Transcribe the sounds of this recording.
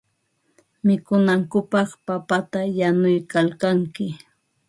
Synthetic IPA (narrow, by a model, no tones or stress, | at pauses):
mɪkʊnaŋkʊpɑχpapat̪ajanʊjkalkaŋkɪ